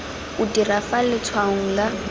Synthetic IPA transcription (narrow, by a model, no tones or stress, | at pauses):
ʊdirafalɪt͡sʰwaŋ̩la